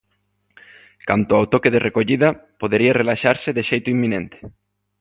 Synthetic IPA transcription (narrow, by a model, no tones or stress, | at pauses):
ka̰nt̪oawt̪okeðerʔekoʎiðɐpoðeɾiarelaʃaɾseðeʃejt̪ʊimːĩnẽnt̪e̥